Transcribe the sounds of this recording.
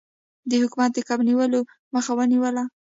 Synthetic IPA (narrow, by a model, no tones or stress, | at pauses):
d̪əhʊkumat̪̚d̪əkabniwəlo | məxawəniwəla